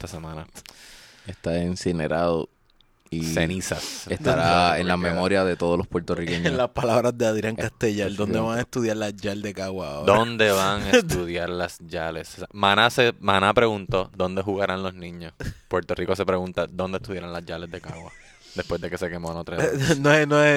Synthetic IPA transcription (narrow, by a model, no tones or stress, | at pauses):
et̪asemãna | est̪aensinḛɾaðo̰ | isenisasest̪aɾaenlamemo̞ɾjaðet̪oðolo̞spweɾt̪orikeɲolaspalaβɾazd̪eaðɾjaŋkast̪eʝald̪ond̪eβaŋaest̪uðjaɾlasd͡ʒald̪e̞kaɣwaod̪oand̪e̞βaŋet̪uðjaɾlasd͡ʒale̞ssamanasemanapɾe̞ɣunt̪o̞d̪o̞nd̪e̞ɦuɣaɾanlo̞snĩɲːospwe̞ɾt̪o̞riko̞s̬epɾeɣunt̪ad̪ond̪est̪uðjaɾanlazd͡ʒale̞zd̪e̞kaɣwa | d̪espwezd̪e̞ke̞se̞ke̞moanot̪ɾaenoenoe